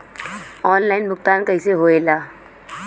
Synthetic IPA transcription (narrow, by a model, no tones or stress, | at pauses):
ɔːnlaːɪnmʊk̚t̪aːnkəiseɦoːeːlaː